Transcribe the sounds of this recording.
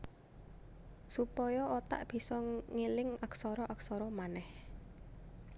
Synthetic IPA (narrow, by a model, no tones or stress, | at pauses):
supɔjɔɔt̪a̰ʔb̥i̤sɔŋelɪŋaksɔɾɔʔaksɔɾɔmanɛh